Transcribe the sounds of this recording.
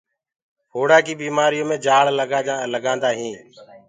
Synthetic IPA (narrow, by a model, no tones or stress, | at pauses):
hoːɽaːkiːbiːmaːɾɪjõːmẽːd͡ʒaːɭlːləɡãːnd̪aːɦĩː